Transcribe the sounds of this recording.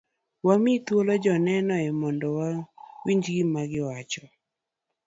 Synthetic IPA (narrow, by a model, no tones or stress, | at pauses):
wamit̪wolɔd͡ʒɔnɛnɔɛmɔndɔwawiɲd͡ʒɡimaɡɪwat͡ʃɔ